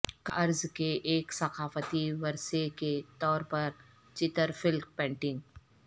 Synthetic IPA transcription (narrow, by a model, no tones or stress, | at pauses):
kɐɾzkeʔeːksɐxaːfət̪iʋɐɾseket̪ɔːɾpɐɾ | t͡ʃɪt̪əɾfɪlk̚pɛ̃ːɳʈɪ̃ŋɡ